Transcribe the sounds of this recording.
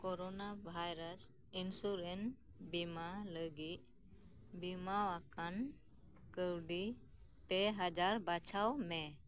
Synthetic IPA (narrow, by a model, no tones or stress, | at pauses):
kɔɾɔnabʱajɾas | insuɾɛn | bimaləɡit̪̚ | bimawakan | kəwɖi | p̪ɛɦad͡ʒaɾbat͡ʃʰawmɛ